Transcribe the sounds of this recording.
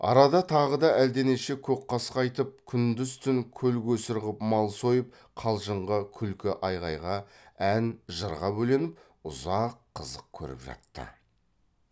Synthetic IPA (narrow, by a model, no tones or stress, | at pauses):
ɑ̰ɾɑd̪ɑt̪ʰɑʁəd̪ɑæld̪e̞neʃe̞kʲʰɵkqːɑsə̥qɑjt̪əp̚kʲʰʏnd̪ʏzt̪ɪŋkʲʰɵlɡʲɵsɪɾʁəpmɑlˠsojəp̚ | qʰɑlˠʒəɴʁəkʲʰʏlkʲɪʔɑjʁɑjʁɑ | ænʒəɾʁɑbɵle̞nɪp̚ | ʊzɑqʰːəzəq̚kʲʰɵ̰ɾɪ̰pʒɑ̰t̪ːə̰